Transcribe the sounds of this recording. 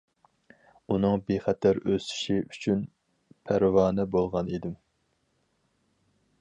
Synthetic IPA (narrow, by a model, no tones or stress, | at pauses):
unɨŋbeχɛt̪ʰæɾøsɪ̥ʃiʔyt͡ʃʰyn | pʰæɾwɑːnɛbolˠʁɑnid̪ɪm